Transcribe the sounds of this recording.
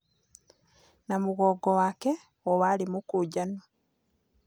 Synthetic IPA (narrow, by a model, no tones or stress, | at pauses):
namuɣoːɡowaːke | owalimukuːɟano